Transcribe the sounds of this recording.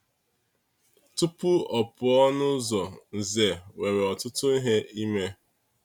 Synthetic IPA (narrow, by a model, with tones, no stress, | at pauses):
tʊ˦pʊ˦ɔ˨pʊ˨ɔ˦nʊ˦zɔ˨n̩˨ze˨we˨ɾe˨ɔ˨tʊ˦tʊ˦i˦ɦe˦i˦me˦